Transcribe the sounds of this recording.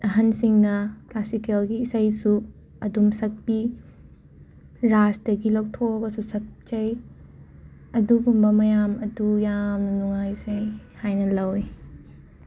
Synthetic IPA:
ɐɦɐnsiŋnɐklasikelɡiːsajsu | ɐdumsɐk̚bi | ɾastɐɡilɐwk̚tʰoɡɐsusɐk̚t͡ʃɐj | ɐduɡumbɐmɐjamɐdujamnɐnuŋajsejhajnɐlɐwj

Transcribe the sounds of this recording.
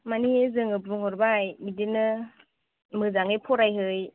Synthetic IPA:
maniezɯŋɯbɾuŋhɔɾbajmidenɯ | mɯzaŋejpʰɔɾajɦɯj

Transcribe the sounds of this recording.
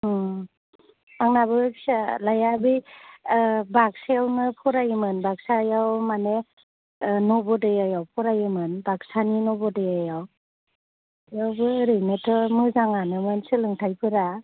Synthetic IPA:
aŋnabɯksalajabɯj | bak̚sajawnɯpʰɔɾajɯmɯnbak̚sajawmane | nɔbɔdɯjajawpʰɔɾajɯmɯnbak̚saninɔbɔdɯjajaw | jawbɯɾɯjnɯtʰɔmɯzaŋanɯmɔnsɯlɯŋtʰajpʰɯɾa

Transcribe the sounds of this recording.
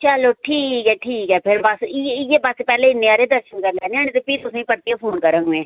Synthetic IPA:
t͡ʃəloːʈʰiːkɛːʈʰiːkɦɛːpʰɪɾbəsɪeːbəsepɛːleːɪnːeːaːɾeːd̪əɾʃənkəɾnɛːneaːñeːt̪eːpiːt̪ʊsẽːipəɾt̪ijãːpʰoːnkəɾãːɡẽː

